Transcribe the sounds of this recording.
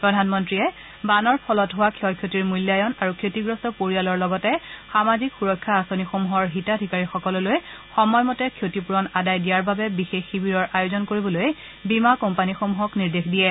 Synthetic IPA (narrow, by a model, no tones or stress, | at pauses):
pɹɔdʱanmɔntɹijɛ | banɔɹpʰɔlɔtɦowakʰiɔkʰjotiɹmuljajɔnaɹukʰjotiɡɹɔstɔpoɹialɔɹlɔɡɔtɛxamazikxuɹɔkʰːaːsonixomuɦɔɹɦitadʱikaɹixɔkɔlɔlojxɔmɔjmɔtɛkʰjotipuɹɔnadajdijaɹbabɛbixexːibiɹɔɹʔajozɔnkoɹibɔloj | bimakɔmpanixomuɦɔkniɹdexdijɛ